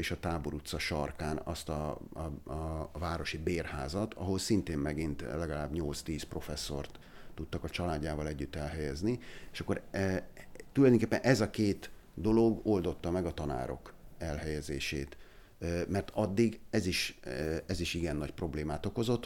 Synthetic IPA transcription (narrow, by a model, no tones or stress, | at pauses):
eːʃɒt̪aːbo̞ɾut̪sɒʃɒrkaːnɒ̰st̪ɒ̰ | vaːɾo̞ʃibeːrhaːzɒt̪ʰɒ̰ɦo̞lsint̪eːmmɛɡint̪lɛɡɒlaːbɲolt̪st̪iːspro̞fɛsːo̞̰rt̪ː | ut̪ːɒkɒt͡ʃɒlaːɟːaːvɒlɛɟːyt̪ːɛlɦɛjɛznieʃɒkːo̞ɾ | t̪ulɒjd̪oŋkeːpːɛnʔɛzɒkeːt̪d̪o̞lo̞ɡo̞ld̪o̞t̪ːɒmɛɡɒt̪ɒna̰ːɾo̞̰kɛlhɛjɛzeːʃḛːt̪ | mɛrt̪ʰɒd̪ːiɡɛziʃɛziʃiɡɛnːɒcpro̞bleːmaːt̪o̞ko̞zo̞t̪ː